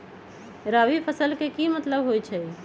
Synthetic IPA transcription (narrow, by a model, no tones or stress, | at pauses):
ɾaːʋipʰəsəlkekimət̪ləbɦojt͡ʃʰɛ